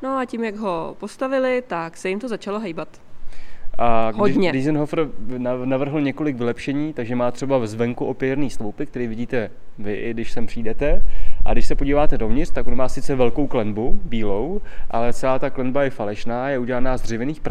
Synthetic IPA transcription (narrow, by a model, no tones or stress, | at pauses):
noacimjaɡɦopost̪avɪlɪt̪aksɛjɪmt̪ozat͡ʃaloɦɛjbat̪ | ʔaɡɦoɪɲɛdɪzɛnɦofrnnavr̩ɦl̩ɲɛko̞lɪkvɪlɛpʃɛɲiːt̪aɡʒɛmaːt̪r̝̥ɛbavɛzvɛŋkuʔo̞pɪɾniːstlowpɪk̚t̪ɛɾiːvɪɟiːt̪ɛ | vɪʔɪɡdɪʃsɛmpr̥iːdɛt̪ɛʔa̰ɡdɪʃsɛpoɟiːvaːt̪ɛdovɲɪr̥t̪akonmaːsɪt͡sɛvɛlko̞wklɛnbubiːlo̞wʔa̰lɛt͡sɛlaːt̪aklɛnbajɛfalɛʃnaːjɛuɟɛlanaːzd̪r̝ɪvɛniːxpɾ